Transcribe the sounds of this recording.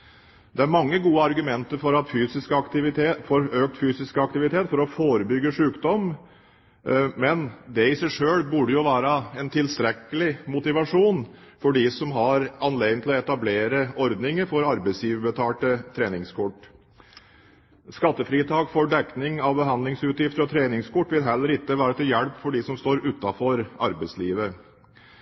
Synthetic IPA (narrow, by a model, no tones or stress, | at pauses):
d̪ɛæɾmɑŋːəɡuːəɑɾɡʉmɛnt̪əɾfɔɾɑt̪fyːsɪskəɑkt̪ɪʋɪfoɾøːk̚t̪fyːsɪskəɑk̚t̪ɪʋɪt̪ʰeːt̪fɔɾɔfoːɾəbʏɡəʂʉːkd̪ɔm | mɛnd̪ɛɪsæɪʂøːɽbʉɖəjʊʋæːɾəɛnt̪ʰɪlst̪ɾɛkːəlɪmʊt̪ɪʋɑʂuːn | fɔɖisɔmɦɑɾɑnleːɡd̪nt̪ʰɪlɔɛt̪ɑbleːɾəɔɾd̪nɪŋəɾfɔɾɑɾbɛɪsliːʋəbət̪ʰɑːʈət̪ʰɾeːnɪŋskʰɔʈː | skɑt̪ːəfɾiːt̪ʰɑːkfɔɖɛknɪŋɑʋbəɦɑnd̪lɪŋsʉːt̪jɪft̪əɾɔt̪ʰɾeːnɪŋskɔʈːʋɪlɦɛlːəɾɪk̪ːəʋæːɾət̪ɪljɛlpfɔɖisɔmst̪oːɾʉt̪ːɑfɔɾɑɾbɛɪsliːʋə